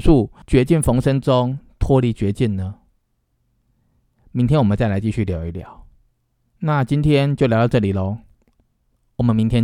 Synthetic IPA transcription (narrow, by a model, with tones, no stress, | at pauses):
u˥˩t͡ɕɥɛ˨˧˥t͡ɕi˥˩nfo˧˥ŋʂə˦ŋʈ͡ʂʊ˦ŋt̪ʰwɔ˦li˨˧˥t͡ɕɥɛ˨˧˥t͡ɕi˥˩nnə˨ | mi˧ŋt̪ʰjɛ˥nwɔ˨˩ə˨˦nt͡sa˥˩ɪla˧˦ɪt͡ɕi˥˧ɕy˥˩lja˨˧˦ʊi˧˩ljɑ˨˦ʊ | na˥˨t͡ɕi˦nt̪ʰjɛ˦nt͡ɕjo˥˩lj̪ɑ˥˧ʊʈ͡ʂɤ˥˩li˨˩lɔ˦ | wɔ˨˩mə˨˦nmi˨˦ŋt̪ʰjɛ˥